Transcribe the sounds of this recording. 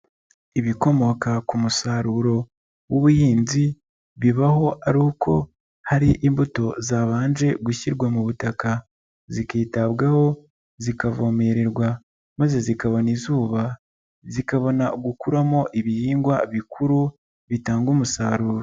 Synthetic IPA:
iβiko̞mo̞kakumusaːɾuɾo̞ | woβujiːnzi | βiβaɦo̞ʔaɾukʰo̞ | haɾiʔimbuto̞zaβaːnʒe̞ɡuçiɾɡwamuβutaka | zikiːtaβɡaho̞ | zikavo̞ːme̞ɾeɾɡwa | maze̞zikaβo̞nizuːβa | zikaβo̞naɡukuɾamo̞ʔiβihiːŋɡwaβikʰuɾu | βitaːŋɡumusaɾuːɾo

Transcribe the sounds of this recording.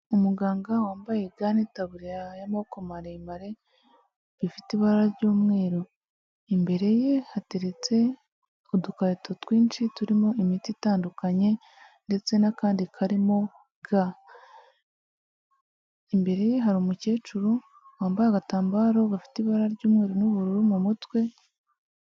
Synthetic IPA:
umuɡaːŋɡawaːmbajeɡanetaβuɾiɾajamaokomaɾeimaɾe̞ | βifitiβaɾaɾaɾɟuːmŋe̞ːɾo | imbe̞ɾe̞je̞hate̞ɾe̞t͡se̞ | odukaɾitotwiːnt͡ʃituɾimo̞imititaːndukaɲe̞ | nde̞t͡se̞nakaːndikʰaɾimo̞ | ɡ̥a | imbe̞ɾe̞je̞ɦaɾiomuce̞ːt͡ʃuɾo | waːmbajaɡataːmbaːɾo̞ɡafi̥tiβaɾaɾɟuːmŋe̞ːɾonuβuɾuɾumumutwe̞

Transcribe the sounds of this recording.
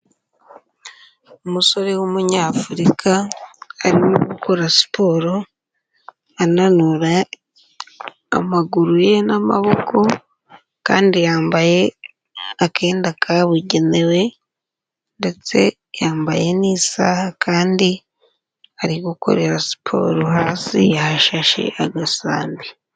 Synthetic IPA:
umuso̞ɾe̞wumuɲaːfuɾikʰaː | ɾimuɡukʰo̞ɾasi̥pʰo̞ɾo̞ | ananuɾa | maɡuɾuje̞nama̰βo̞ko̞ | ka̰ːndijaːmbaje̞ | akʰe̞ːndakʰaβuɟe̞ne̞we̞ | nde̞t͡se̞ | jaːmbaje̞niːsahakʰaːndi | aɾiɡuko̞̰ɾe̞ɾasi̥pʰo̞̰ːɾoɦaːsḭjahaʃaʃḛʔaɡasaːmbi

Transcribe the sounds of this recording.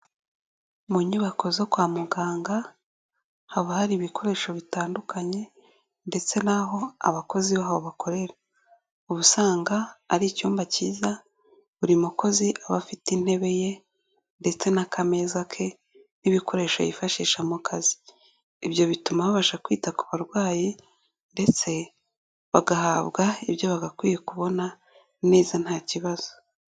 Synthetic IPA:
muɲiβako̞zokwaːmuɡaːŋɡa | haβahaɾiːβikʰo̞ɾe̞ːʃo̞βitaːndukʰaɲe̞ | nde̞t͡se̞naɦo̞a̰βako̞ziβaɦaβoβakʰo̞ɾe̞ɾa | uβusaːŋɡaːɾicuːmbaciːza | βuɾimuko̞ziʔaβa̰fitin̥he̞βe̞je̞ | nde̞t͡se̞nakʰame̞ːzakʰe̞ | niβiko̞ɾe̞ːʃa̰jḭfaʃiːʃamukʰazi̥ː | βjo̞βitumaβaβaʃakwiːtaku̥βaɾɡwaːji | nde̞t͡se̞ | βaɡaɦaβɡaiβjo̞βaɡakwiːjekuβo̞na | ne̞ːzan̥haːciβaz̥o

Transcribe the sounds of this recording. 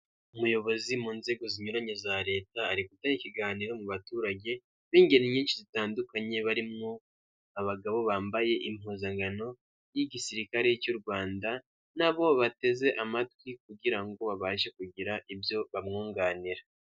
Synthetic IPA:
umujo̞βo̞zimuːnze̞ɡo̞ziɲuɾaɲe̞zaɾe̞ːtaːɾikutaɲiciɡaːniɾo̞muβatuːɾaɟe̞ | βiːɲɡeniɲiːnʃizitaːndukaɲe̞βaɾimŋo | aβaɡaβo̞βaːmbaje̞ʔim̥huːzaŋɡano̞ | jiɟisiɾikaɾe̞jicuɾɡwaːnda | naβo̞βate̞ze̞ʔamatwik̚uɟiɾaŋɡo̞βaβaːʃe̞kuɟiɾaʔibjo̞βamŋuːŋɡaːniɾa

